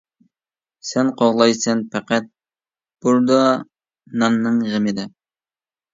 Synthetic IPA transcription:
sɛnqʰoʁlˠɑjsɛnpʰæqæt̪̚ | b̥uɾd̪ɑ | nɑnːɨŋʁəmɨd̪ɨ

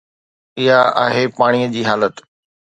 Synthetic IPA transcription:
ɪɦaa̰ːɦepaːɽ̃ijəd͡ʑiːɦaːlət̪

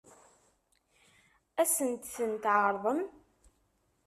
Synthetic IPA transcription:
æsənt̪θənt̪ʕəɾˤðˤəm

